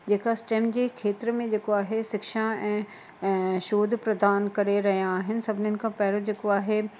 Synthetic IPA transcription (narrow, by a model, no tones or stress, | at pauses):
d͡ʑeːkaɪsʈeːmd͡ʑeːkʰeːt̪ɪɾmẽd͡ʑeːkoaːɦesɪkʃaɛ̃ː | ʃoːd̪ʱpɾɐd̪aːnkɐɾeɾɐɦijãːɦɪnɪ̆sɐbʱɪnənɪ̆kʰãpɐɦɪɾod͡ʑeːkoaːɦe